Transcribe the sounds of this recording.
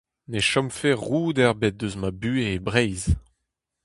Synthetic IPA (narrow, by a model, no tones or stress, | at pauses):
neʃɔmfeʁuːd̪ɛʁbɛt̚d̪øzmabyːeːbʁɛjz